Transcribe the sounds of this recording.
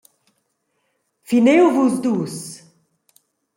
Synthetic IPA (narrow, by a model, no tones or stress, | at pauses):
finewvuzd̪uːs